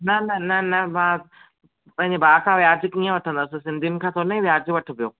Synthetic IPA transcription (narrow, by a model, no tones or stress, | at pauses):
nɐnɐnɐnɐmãː | pɐ̃ɦɪ̃ɲd͡ʑebaːkʰãːʋjaːɾd͡ʑkiːə̃ʋɐʈʰə̃nd̪aːsĩsɪ̃nd̪ʱiunɪ̆kʰãːt̪ʰoːnɐĩʋjaːɾd͡ʑʋɐʈʰɪ̆pijoː